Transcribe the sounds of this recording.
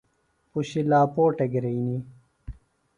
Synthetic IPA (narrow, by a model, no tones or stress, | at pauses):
puɕilaːpoːʈeɡɾeini